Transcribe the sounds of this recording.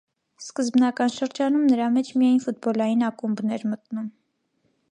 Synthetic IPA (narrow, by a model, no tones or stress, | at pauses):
skəzbnɑkɑnʃəɾd͡ʒɑnumnəɾɑmɛt͡ʃʰmijɑjnfut̪̚bɔlɑjinɑkumbnɛɾmət̪num